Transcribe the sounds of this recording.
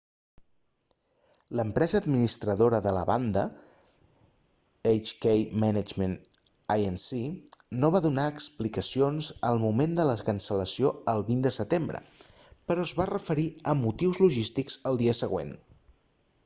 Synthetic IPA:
ləmpɾɛzəːd̪minist̪ɾəðoɾəðələβand̪ə̰ | ejt͡ʃkejmɛnəd͡ʒmən | ajənsinoβ̞aðunaəksplikəsionzəlˠmumend̪ələkənsələsioəlˠβind̪əsət̪embɾə̰pəɾɔəzβarəfəɾiəmut̪iwzluʒist̪ikz̥əlˠd̪iəsəɣ̞wḛn

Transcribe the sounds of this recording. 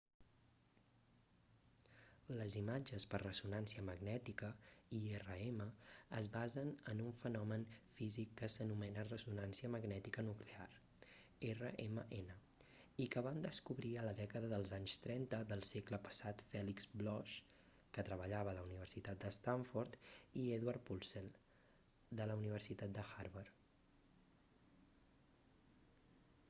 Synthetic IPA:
ləzimad͡ʒəspərrəsunansiəməɡnɛt̪ikəierəeməəzβazənənuɱfənɔmənfizikːəsənumɛnərəsunansiəməɡnɛt̪ikənuklea̰r | erəʔeməʔenə | ikəβand̪əskuβɾiələðɛkəðəðəlˠzaɲst̪ɾɛnt̪əðəlˠsɛkləpə̥sat̪fɛlikzblɔʃ | kət̪ɾəβəʎaβəːləuniβ̞ərsit̪at̪̚d̪əst̪aɱfuɾt̪ieðwaɾpulˠselˠ | d̪ələuniβərsit̪at̪̚d̪əxaɾβəɾ

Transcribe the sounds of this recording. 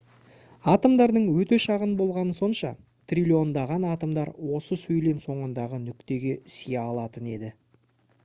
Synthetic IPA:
ɑt̪əmd̪ɑɾd̪əɴwɵt̪e̞ʃɑʁənbo̞lˠʁɑnəso̞nʃɑ̰ | t̪ʰrʲilʲio̞nd̪ɑʁɑnɑt̪əmd̪ɑɾwo̞səsɵjle̞mso̞ɴənd̪ɑʁənʏkt̪e̞ɡʲe̞sijeɑlˠɑt̪əne̞d̪ɪ

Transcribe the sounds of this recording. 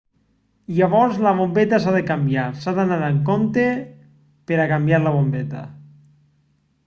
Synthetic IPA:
aβɔɾzlaβ̞ombet̪asaðekambjaɾsaðanaɾaŋkont̪e | peɾakambjaɾlaβ̞ombet̪a̰

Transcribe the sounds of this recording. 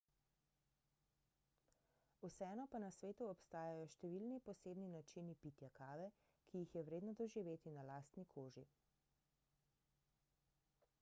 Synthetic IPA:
usɛɛːnɔpanasʋeːt̪uɔpst̪aːjajɔʃt̪ɛʋilnipɔseːbninat͡ʃinipit̪jakaːʋɛ | kijixjɛʋɾeːd̪nɔd̪ɔʒiʋeːt̪inalaːst̪nikʰoːʒi

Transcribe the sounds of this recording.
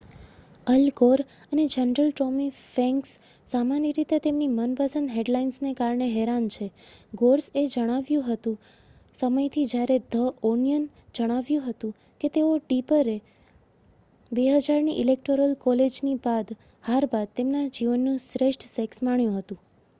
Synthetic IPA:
əlkoɾ | əned͡ʒənɾəlʈɾomifɛ̃ŋksː | amaniɾit̪et̪emnimənpəsənɖɦeɖlainsnekaɾɳeɦɛɾant͡ʃʰeɡoɾsed͡ʒəɽ̃aʋjũɦət̪ũ | səməjt̪ʰid͡ʒjaɾed̪ʱəʔonijən | d͡ʒəɽ̃aʋjũɦət̪ũ | ket̪eoɖipəɾe | beɦəd͡ʒaɾniʔɪlek̚ʈoɾəlkɔled͡ʒnibad̪ | haɾbad̪̚t̪emnad͡ʒiʋənːũsɾeʃʈsɛksmaɳjũɦət̪ũ

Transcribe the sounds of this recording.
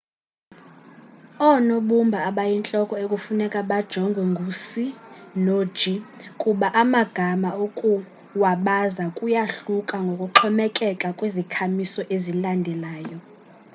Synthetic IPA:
ɔnoɓumbʱaːɓajint͡ɬʼɔkʼɔekʼufunɛkʼaɓad̥ʒ̥ʱɔŋɡʱwɛŋɡʱusinod̥ʒ̥ʱikʼuɓaʔamaɡ̥ʱamaokʼu | waɓazakʼujaɬukʼaŋɡʱokʼuǁʰɔmɛkʼɛkʼakʼwezikʰamisɔʔezilandʱɛlaːjɔ

